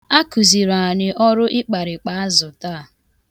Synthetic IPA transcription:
a˦ku˨zi˨ɾa˨nɪ˨ʔɔ˦ɾʊ˦ʔɪ˦k͡pa˨ɾɪ˨k͡pa˨˦a˦zʊ˨ta˦˨

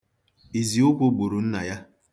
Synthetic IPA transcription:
i˨zi˨ʊ˦kʷo˦ɡ͡bo˨ɾu˨n̩˦na˨ja˦

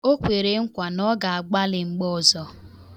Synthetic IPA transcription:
o˦kʷe˨ɾe˨ŋ̩˦kʷa˨nɔ˦ɡa˨a˨ɡ͡ba˦lɪ˨ŋ͡m̩˦ɡ͡bɔ˦˨zɔ˦

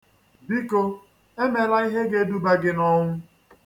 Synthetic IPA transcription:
bi˦ko˦ | e˦me˨la˦i˦ɦe˦ɡe˦du˦ba˦ɡɪ˦nɔ˦ŋʷʊ˦

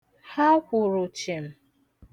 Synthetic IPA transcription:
ha˦kʷʊ˨ɾʊ˨t͡ʃe˨m̩˨

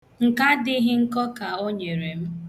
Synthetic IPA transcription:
ŋ̩˨ka˦dɪ˦ɦɪ˦ŋ̩˦kɔ˦ka˨o˦ɲe˨ɾe˨m̩˦

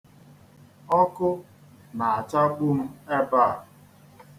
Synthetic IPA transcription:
ɔ˦kʊ˦ | na˨a˨t͡ʃa˦ɡ͡bu˦m̩˦e˦ba˦˨

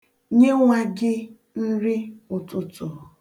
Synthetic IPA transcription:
ɲe˦ŋʷa˦ɡɪ˦ | n̩˦ɾɪ˦ʊ˨tʊ˨tʊ˨

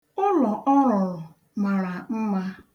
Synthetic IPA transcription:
ʊ˦lɔ˨ʔɔ˦ɾʊ˨ | ma˨ɾa˨m̩˦ma˦

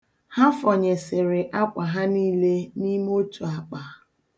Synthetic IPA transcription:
ha˦fɔ˨ɲe˨sɪ˨ɾɪ˨ʔa˦kʷa˨ɦa˦niː˦le˦ni˦mo˦tu˨a˨k͡pa˨

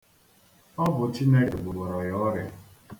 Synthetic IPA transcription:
ɔ˦bʊ˨t͡ʃi˦ne˦ɡɪ˨ɡ͡bʊ˨ɡ͡bɔ˨ɾɔ˨jɔ˦ɾɪ˦

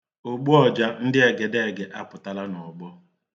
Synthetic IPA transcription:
o˨ɡ͡bu˦ɔ˨d͡ʒa˦n̩˦dɪ˦e˨ɡe˨de˦e˨ɡe˨ʔa˦pʊ˨ta˦la˦nɔ˨ɡ͡bɔ˦

